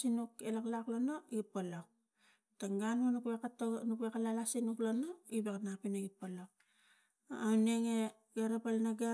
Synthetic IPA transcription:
sinukelaklaklonoipalak | taŋɡanonukekatonukuekalalasinuklonoibaknapinaɡipala | awneŋe | ɡeɾapalnaɡa

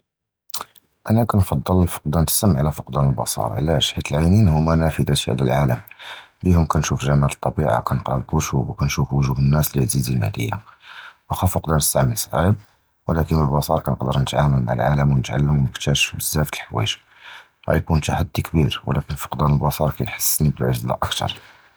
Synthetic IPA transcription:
ʔænækænfɑd̪ˤːəlfə̥q̚d̪ænt̪ə̥səmʕlæfəqd̪ænəlbɑ̰sˤɑ̰ɾˤʕə̰læʃħit̪əlʕajninhʊmːænæfid̪æt̪iæ̰d̪əlʕaləm | b̪ihʊmkænʃufʒæmaʕt̪ˤːɑbiʕa̰kænəqɾəbuʃubwkænʃufwəʒuhənːæsliʕzizimæ̰d̪ə̰jːa̰ʔæxæfəqd̪ɑnəst̪aʕməlsʕab̚ | wəlækənəlbɑsˤɑɾˤkænəqd̪əɾˤnət̪ʕaməlma̰ʕə̰lʕaləmwənət̪ʕa̰lːəmwnəkt̪æʃbəzːæft̪əlħwæ̰ʒ | hæ̰jkunt̪aħad̪ːikbiɾwə̰lækənfə̥qd̪ænəlbɑsˤɑɾˤkæjħə̥sːnibəlʕəʒzlæ̰ʔəkt̪ɑ̰ɾˤ

